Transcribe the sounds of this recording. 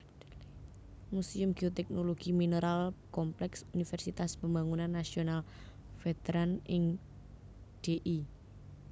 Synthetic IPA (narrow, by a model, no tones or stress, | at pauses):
musiʊmɡ̥iot̪ɛk̚noloɡ̥imineɾalkɔmplɛksunifɛrsit̪aspambaŋunanːasional | fet̪eɾanɪŋ | d̥eʔi